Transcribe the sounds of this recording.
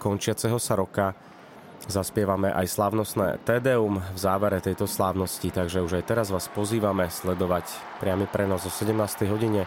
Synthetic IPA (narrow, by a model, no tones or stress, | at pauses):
kɔnt͡ʃɪat͡sɛɦɔsaɾɔka | zaspɪɛʋamɛʔa̰jslaːʊnɔsnɛ̰ːt̪ɛːd̪ɛumvzaːʋɛɾɛt̪ɛjt̪ɔslaːʊnɔscit̪aɡʒɛuʒajt̪ɛɾazʋaːspɔziːʋamɛslɛd̪ɔʋac | pɾɪamipɾɛnɔzɔsɛɟɛmnaːst̪ɛjɦɔɟiɲɛ